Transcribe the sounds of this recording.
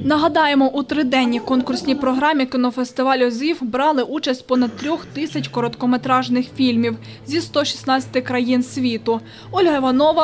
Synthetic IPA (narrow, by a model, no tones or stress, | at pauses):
nɐɦɐd̪ɑjemɔʔut̪ɾɪd̪ɛnʲːikɔnkʊrsʲnʲijpɾɔɦɾɑmʲikɪnɔfest̪ɪʋɑlʲɔzʲiwbɾɑlˠɪʔut͡ʃɐsʲtʲpɔnɐd̪̚t̪ːɾʲɔxt̪ɪsʲɐt͡ʃʲkɔɾɔt̪kɔmet̪ɾɑʒnɪxfʲilʲmʲiw | zʲist̪ɔʃʲi̥snɑt͡sʲɐ̥t̪ɪkɾɐjinsʲʋʲit̪ʊ | ɔlʲɦɐɪʋɐnɔʋɐ